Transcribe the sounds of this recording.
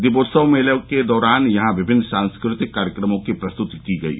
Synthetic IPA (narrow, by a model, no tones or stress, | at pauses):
d̪ɪboːɾsəʋmeːləked̪ɔːɾaːnjɐɦãʋɪbʱɪnːsãːnskɾɪt̪ɪkːaːɾjəkɾəmõkipɾɐst̪ʊt̪ikiɡɐ̰ḭ